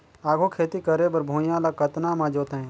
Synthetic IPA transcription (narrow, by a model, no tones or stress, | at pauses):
aːɡoːkʰeːt̪ikəɾebəɾbʱõːjãːlakət̪naːmãːd͡ʒoːt̪ːɦɛ̃ː